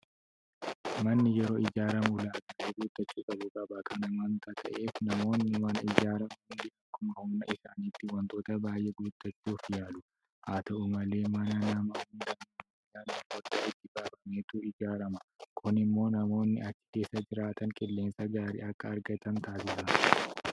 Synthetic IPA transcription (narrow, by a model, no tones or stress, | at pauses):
mɐnːɪjɛɾo̞ːɪd͡ʒaːɾɐmʊlaːɡaʔeɡuːt̪ʼːɐt͡ʃːuːkʼɐbʊkʼɐbɐkɐnɐmɐnt̪ɐt̪ʰɐʔe̞ːfnɐmo̞ːnːɪmɐnɐɪd͡ʒaːɾɐmɐhʊnd̪ɪɐkːʊmɐhʊmnɐɪʃaːnit̪ːɪwɐnt̪o̞ːt̪ɐbaːjːeɡuːt̪ːɐt͡ʃːuːfjaːlʊ | haːt̪ɐʊmɐle̞ːmɐnɐnɐmɐhʊnd̪ɐm | ɪd͡ʒaːniːwɔɾd̪aːʔɪt̪ːɪbaːbɐmeːt̪uʔɪd͡ʒaːɾɐmɐ̥kʰʊnɪmːo̞ːnɐmo̞ːnːɪɐt͡ʃːɪ̥k̪e̞ːsːɐd͡ʒɪɾaːt̪ʰɐŋkʼɪlːe̞ːnsɐɡaːɾḭʔɐkːɐːɾɡɐt̪ɐnt̪aːs̬ɪsɐ